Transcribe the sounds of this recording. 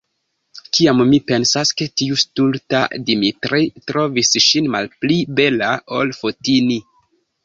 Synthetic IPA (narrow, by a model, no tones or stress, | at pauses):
kiamːipe̞nsasketiustulta̰dimitɾitɾo̞visʃinmalplibe̞lao̞lfotini